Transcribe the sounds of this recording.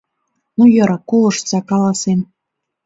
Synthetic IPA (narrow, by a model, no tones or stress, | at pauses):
nujɤ̆ɾɑkolˠɤ̆ʃtt͡sɑkɑlˠɑsen